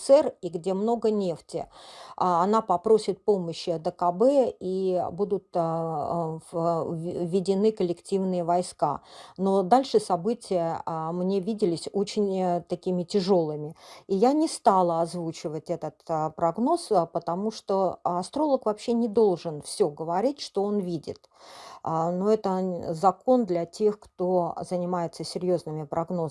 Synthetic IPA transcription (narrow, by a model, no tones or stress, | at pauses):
sɛriɡdʲe̞mno̞ɡənʲe̞ftʲɪ̰ | ɐnapɐpɾo̞sʲɪt̪̚po̞məɕːɪɐd̪əkɐbɛibud̪ʊt̪ | vʲːɪdʲɪnɨkəlʲɪktʲivnɨjəvɐjska̰no̞d̪alʲʂɨsɐbɨtʲɪjəmnʲevʲidʲɪlʲɪsʲo̞t͡ɕɪnʲt̪ɐkʲimʲɪtʲɪʐo̞lˠɨmʲɪijanʲɪst̪alˠəɐzvut͡ɕɪvətʲɛt̪ət̪pɾɐɡno̞spət̪ɐmuʂt̪o̞ɐst̪ɾo̞lˠəkvɐpɕːe̞nʲɪd̪o̞lˠʐɨnfsʲɵɡəvɐɾʲitʲʂt̪o̞onvʲidʲɪ̰t̪ | noɛt̪əzɐko̞nd̪lʲɐtʲe̞xkt̪o̞zənʲɪmajɪt̪səsʲɪɾʲjo̞znɨmʲɪpɾɐɡno̞